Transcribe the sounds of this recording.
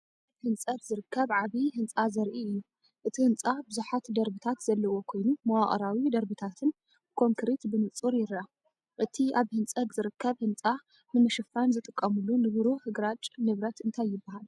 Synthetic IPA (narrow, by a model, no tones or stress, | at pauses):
hɨnt͡sʼɐt̪zɨɾɨkʰːɐβʕaβihɨnt͡sʼazɐɾʔiɨjːu | ʔɨt̪ʰihɨnt͡sʼabɨzuħat̪d̪ɐɾbɨt̪ʰat̪zɐlːɐwo̞kʰo̞jnumɐwaχʼɐ̰ɾawid̪ɐɾbɨt̪ʰat̪ʰɨn | kʰo̞ŋkʰɨɾit̪bɨnɨt͡sʼuɾjɪɾa | ʔɨt̪ʰiʔaβhɨnt͡sʼɐt̪zɨɾɨkːɐβhɨnt͡sʼa | nɨmɐʃɐfanzɨt̪ʼɨkʼːɐmɨlːunɨβɨɾohɨɡɾat͡ʃʼnɨβɾɐt̪ɨnt̪ʰajːɪbːahal